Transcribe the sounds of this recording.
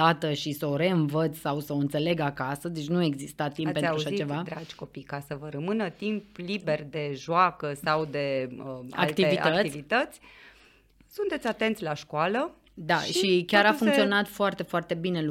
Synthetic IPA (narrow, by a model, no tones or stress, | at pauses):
at̪əʃisəoɾe̞ɨnvət̪sʲsawsəoɨnt̪se̞le̞ɡakasəd̪et͡ʃʲnue̞ɡzist̪at̪imppenaɾauaʃait͡ʃe̞vad̪ɾad͡ʒʲko̞pijkasəvəɾəmɨnət̪implibe̞rd̪e̞ʒoakəsawd̪e̞əa̰kkt̪ievitaət̪isʲvit̪ət̪sʲ | sunt̪e̞t̪sʲat̪e̞nt̪sʲlaʃkoalə | d̪aʃʃiikʲaɾaffuŋtsio̞nat̪foart̪e̞foart̪e̞bine̞